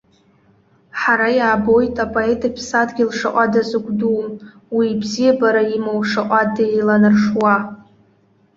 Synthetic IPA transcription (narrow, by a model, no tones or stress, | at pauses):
ħaɾajaːbo̞jtʼapʼoe̞tʼipʰsadɡʲilʂa̰ʔʷʼadazɨɡʷdum | wiːbzijabaɾaimowʂaʔʷʼadailanɨrʂwa